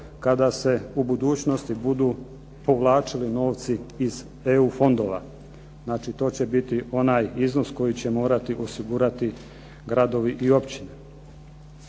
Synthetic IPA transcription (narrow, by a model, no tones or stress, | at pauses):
kad̪ase̞ubud̪uːt͡ɕno̞st̪ibud̪uː | po̞ʋlˠaːt͡ʃilino̞ːʋt̪siːz̥ | eufo̞nd̪o̞ːʋa̰ | znaːt͡ʃit̪o̞ːt͡ɕe̞bit̪io̞naːjizno̞sko̞jit͡ɕe̞mo̞ːɾat̪iʔo̞siɡuɾat̪i | ɡɾad̪o̞ʋiʔio̞pt͡ɕine